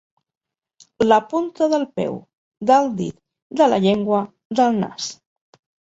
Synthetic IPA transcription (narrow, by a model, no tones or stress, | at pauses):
ləpunt̪əðəlˠpɛ̰w | d̪əlˠd̪ḭt̪̚ | d̪ələ̰ʎeŋɡwə | ðəlˠna̰s